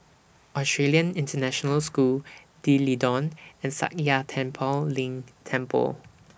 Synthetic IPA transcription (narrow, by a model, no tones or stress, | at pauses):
ɔstɹeliə̃nĩntənɛʃɔnəlskul | d̥ilidɔ̃nɛ̃nsa̰k̚jatʰɛ̃mpʰəllĩŋtʰɛ̃mpʰə̰l